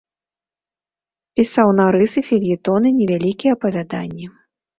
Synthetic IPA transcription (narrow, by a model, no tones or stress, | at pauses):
pʲisawnaɾɨsɨfʲilʲjit̪ɔnɨnʲɛvʲalʲikʲijɛɐpɐvʲad̪a̰nʲːɛ